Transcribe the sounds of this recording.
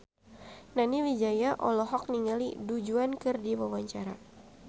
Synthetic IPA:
naniwid͡ʒajaʔɔlɔɦɔk̚niŋalidud͡ʒuankɨrdiwawaɲt͡ʃaɾa

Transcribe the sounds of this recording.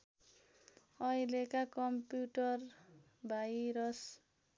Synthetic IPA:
ʌjlekakʌmpjuʈʌr | bʱajɾʌs

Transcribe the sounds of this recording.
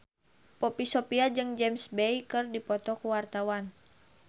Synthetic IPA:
pɔpisɔpiad͡ʒɨŋd͡ʒɛmsbɛjkɨrdipɔt̪ɔkuwart̪awan

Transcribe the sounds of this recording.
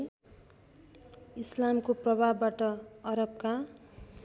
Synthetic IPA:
islamkoprʌbʱabːaʈʌʌɾʌb̚ka

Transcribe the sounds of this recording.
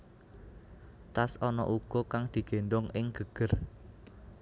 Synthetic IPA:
t̪asɔnɔ̰ʔuɡ̥ɔ̤kaŋd̪̥i̤ɡ̥e̤nɖɔŋʔɪŋɡ̥əɡ̥ə̤r

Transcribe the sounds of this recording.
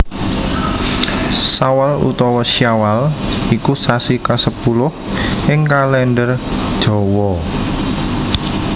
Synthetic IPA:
sawalṵt̪ɔwɔsiawalikusasikasəpulʊhʔɪŋkalɛnɖərd̥ʒ̥ɔ̤wɔ

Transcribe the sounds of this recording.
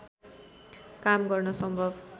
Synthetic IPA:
kamɡʌrnʌsʌmbʱʌb

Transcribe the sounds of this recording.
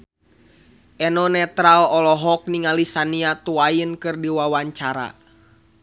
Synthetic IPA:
ʔɛnɔnɛt̪ɾalɔlɔɦɔk̚niŋalisaniat̪uajənkɨrdiwawaɲt͡ʃaɾa̰

